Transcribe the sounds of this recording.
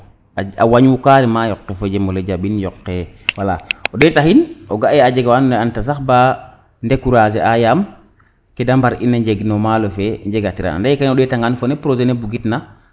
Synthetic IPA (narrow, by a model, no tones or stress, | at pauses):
aa̰waɲwukaːɾimajɔkːefoɟemoleɟabinjɔqːewala̰odetahinoɡaʔead͡ʒeɡawanneantas̬axbaː | ndekuɾazeʔajam | kedambaɾinːaɲɟeɡnomalofeɲd͡ʒeɡatiɾa̰na̰ndajikanodetaŋɡanfonepɾozenebuɡitna